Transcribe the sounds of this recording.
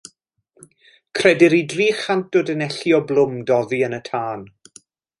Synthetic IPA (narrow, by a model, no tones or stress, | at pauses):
kʰrɛdɪɾidriːχant̚ʊdənɛɬjɔblˠʊmdɔðiənətʰaːn